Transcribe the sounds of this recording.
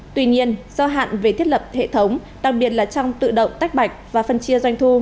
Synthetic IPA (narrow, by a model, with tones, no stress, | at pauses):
t̪wi˧ɲi˧ənz̥ɔ˧ɦa̰ː˧˨nve˨˩t̪ʰi˦˥ət̚lə˨˩p̚hḛ˧˨t̪ʰə˨˦wŋ͡m | ɗa˨˩k̚ɓi˨˩ət̚laː˨˩t͡ɕɔ˧wŋ͡mt̪ɨ̰˧˨ɗə̰˧˨wŋ͡mt̪a˦˥k̟̚ɓa˨˩jk̚vaː˨˩fə˧nt͡ɕi˧əzwa˧jŋ̟t̪ʰu˧